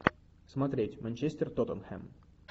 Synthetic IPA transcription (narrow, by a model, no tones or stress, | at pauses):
smɐt̪ɾʲetʲmɐnʲt͡ɕesʲt̪ʲɪrt̪ot̪ənxɛ̰m